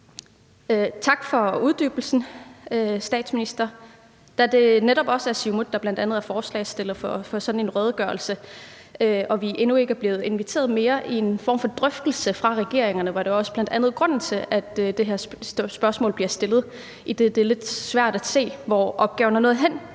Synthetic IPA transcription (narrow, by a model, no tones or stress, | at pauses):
øt͡sʰɑ̈ɡ̥fɒ̽uð̞ˠd̥y̰ːb̥l̩sn̩øsd̥ɛ̰ːd̥sminisd̥ɐ | d̥æd̥e̝neɾɒ̽b̥ɒ̽səæsimu̥d̥ɑ̈b̥lænd̥ænð̞̩ˠæɐfɒːslɛ̰ɪsd̥e̝lð̩ˠfɒfɒ̽sɒ̽d̥n̩e̝nʁœːð̞ˠɡ̥ɶːɐl̩sə | øʔɒ̽ʋiʔenue̝ɡ̥æɐb̥le̝ːð̞̩ˠe̝nʋit͡sʰe̝̰ːɐð̩ˠme̝ːɐʔie̝nfɒ̰ːm̰fɒ̽d̥ʁœfd̥l̩səfʁɑ̈ʁɛɡ̥e̝ɐ̰eŋɐnəʋɑ̈d̥eɒ̽sə̥b̥lænd̥ænð̞̩ˠɡ̥ʁɔ̽n̰n̩t͡sʰe̝læd̥ød̥e̝ɦæɐsb̥ɶɐsmɔ̰ːlb̥liɐsd̥e̝lð̞̩ˠ | id̥e̝d̥e̝le̝d̥sʋæɐ̰d̥æ̥se̝̰ːʋɒʔɒ̽b̥̚ɡ̥ɛːʊɐnɐnɔ̽ːð̩ˠɦen̰